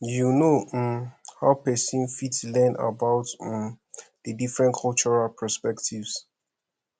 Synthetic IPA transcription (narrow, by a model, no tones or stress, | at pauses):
junomhaʊpɛsĩnfitslɛ̃na̰baʊtm | dədifɹɛ̃nkʰɔlt͡ʃɔɹalpʰɛspɛktʰivs